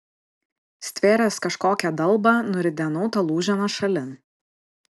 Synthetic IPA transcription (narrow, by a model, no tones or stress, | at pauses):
sʲt̪ʲʋʲeːɾʲɛːskɐʃkoːkʲɛd̪ɐlˠˑbɑnʊɾʲɪd̪ʲɛnɐʊt̪ɐlˠuːʒʲɛnɐʃɐlʲɪn